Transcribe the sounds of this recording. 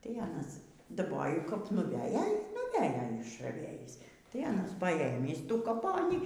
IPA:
tɐɪ ˈɑːnɐs dɐˈboːjʊ kɐp nʊˈʋʲæːjoː ˈiː nʊˈʋʲæːjoː ɪʃrɐˈʋʲeːjiːs tɐɪ ˈɑːnɐs pɐˈeːmʲiːs ˈtuː kɐˈpoːnʲiː

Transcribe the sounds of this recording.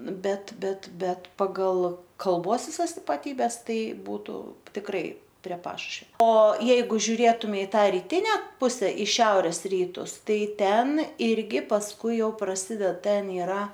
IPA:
ˈbʲɛt ˈbʲɛt ˈbʲɛt pɐˈɡɐlˠ kɐlˠˈboːs ʋʲɪˈsɐs ɪpɐˈtʲiːbʲɛs ˈtɐɪ ˈbuːtʊ tʲɪkˈrɐɪ pʲrʲiɛ ˈpɑːʃʊʃʲʋʲɛ oː ˈjɛɪɡʊ ʒʲʊˈrʲeːtʊmʲɛɪ ɪ ˈtɑː rʲɪˈtʲɪnʲɛ ˈpʊsʲɛ ɪ ˈʃʲɛʊrʲeːs ˈrʲiːtʊs ˈtɐɪ ˈtʲɛn ˈɪrʲɡʲɪ pɐsˈkʊɪ jɛʊ prɐˈsʲɪdʲɛt ˈtʲɛn ɪˈrɐ

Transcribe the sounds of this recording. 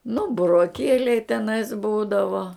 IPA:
nʊ bʊroːˈkʲiɛlʲɛɪ tʲɛˈnɐɪs ˈbuːdɐʋoː

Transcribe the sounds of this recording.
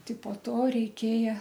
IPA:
ˈtʲɪ poː ˈtoː rʲɛɪˈkʲeːjɛ

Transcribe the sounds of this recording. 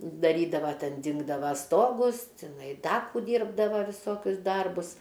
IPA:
dɐˈrʲiːdɐʋɐ ˈtʲɛn ˈdʲɪŋɡdɐʋɐ ˈstoːɡʊs tʲɪˈnɐɪ ˈdɐ kuː ˈdʲiːrbdɐʋɐ ʋʲɪˈsoːkʲʊs ˈdɐrbʊs

